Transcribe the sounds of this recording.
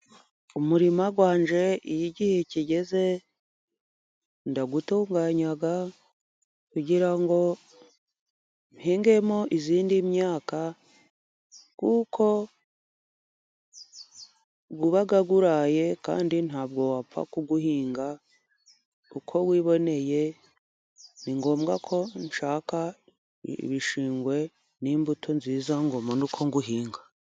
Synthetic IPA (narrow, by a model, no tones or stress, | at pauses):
umuɾimaɡwaːɲd͡ʒe̞ijiɟiheciɟe̞ze̞ | ndaɡutoːŋɡaːɲaɡa | kuɟiɾaŋɡo̞ | nhiːŋɡe̞mo̞ʔiziːndimɲaːka | kukʰo̞ | ɡuβaɡaɡuɾaje̞ka̰ːndinhaːbɡo̞wafa̰kuɡuhiːŋɡa | ukʰo̞ɡwiːβo̞ne̞je̞ | niŋɡo̞ːmɡakʰo̞nʃaːka̰ | βiʃiːŋɡwe̞ | niːmbutʰonziːzaŋɡomonukʰo̞ŋɡuɦiːŋɡa